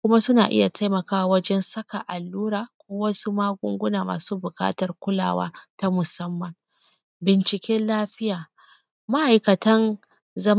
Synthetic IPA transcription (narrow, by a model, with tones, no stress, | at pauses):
kʷʊ˦ma˦sʊ˦na̰ː˨ʔɪ̰˦ja˨tʰa˦jmɐ˨kaː˦wa˦wɐ˦d͡ʒɛ˦nsɐ˦ka˨ʔa˨lːuː˦ɾaː˨kʷoː˦wɐ˦su˦maː˦ɡʷʊ̰˦ŋɡʷʊ˦naː˨ma̰ː˨suː˦bʊ˨ka̰ː˦tɐ˨rkʷʊ˦la̰ː˨wa̰ː˦ta˦mʊ˨sɐ˦mːɐ˨ŋ | bɪ˨nt͡ʃɪ˨kʲɛː˦nlaː˦ɸɪ˦jaː˨ | ma˦ʔa˨jkɐ˨tɐ˦n | zɐ˦m